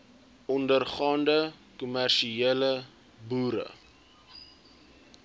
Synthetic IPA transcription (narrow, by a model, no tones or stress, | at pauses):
ɔndərχɑːndəkumærʃieːlə | buːɾə̰